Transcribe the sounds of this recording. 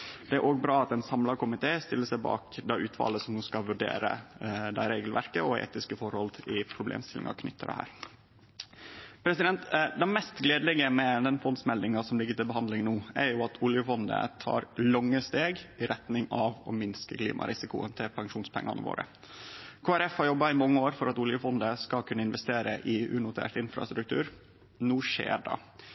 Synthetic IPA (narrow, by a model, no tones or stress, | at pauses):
d̪ɛæɾʔoːɡ̚bɾɑːɑt̪ɛnsɑmlɑkʊmɪt̪ʰeːst̪ɪlːəsæɪbɑ̰ːkd̪æʔʉːt̪fɑ̰ːləsɔmnuːskɑʋʉɖḛːɾə̰d̪æɾeːɡəlʋæ̰ɾkəɔḛːt̪ɪskəfɔɾhɔlt̪ɪpʰɾʊblḛːmst̪ɪlɪ̰ŋʔɑ̰kʰnʏt̪ːəd̪ɛ̰hæ̰ːɾ | pʰɾɛsɪd̪ɛnt̪d̪ɛmɛst̪ɡleːd̪əlɛɡəmɛd̪ɛnfɔnd̪smɛld̪ɪŋɑsɔmlɪɡːət̪ɪlbəɦɑnd̪lɪŋnuːæɾjʊɑt̪ʰʊljəfɔnd̪ə̰t̪ʰɑ̰ːɾlɑŋːəst̪eːɡɪɾɛt̪nɪŋɑʋɔ̰mɪnskəklḭːmʔɑ̰ɾʔɪsɪkʊə̰nt̪ʰɪlpʰɑŋʂuːnspʰɛ̰ŋːɑ̰nə̰ʋo̰ːɾə̰ | kʰoːæɾɛfhɑɾjɔbːɑɪmɑŋːəoːɾfɔɾɑt̪ʊljəfɔnd̪əskɑlkʰʉnːəɪnʋɛst̪eːɾəʔɪʉnʊt̪ʰæ̰ːʈɪnfɾɑ̰st̪ɾʉk̚t̪ʰʉ̰ːɾ | nuːʂḛːɖɑ̰